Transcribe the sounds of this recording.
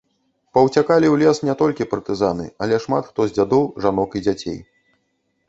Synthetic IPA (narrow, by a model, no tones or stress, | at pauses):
pɐwt͡sʲakalʲiwlʲɛsnʲɛt̪ɔlʲkʲipɐrt̪ɨzanɨ̰ɐlʲɛʂmat̪xt̪ɔzʲd͡zʲad̪ɔwʐan̪ɔkid͡zʲat͡sʲḛj